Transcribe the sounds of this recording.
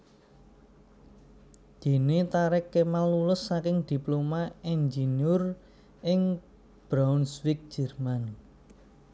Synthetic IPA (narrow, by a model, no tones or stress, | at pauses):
d̪̥e̤net̪aɾɛkːemalːulʊsːakɪŋd̪̥i̤plomaɛnd͡ʒenjʊr | ʔɪŋ | b̥ɾaʊnswɪk̚d̥ʒ̥ɛ̤rman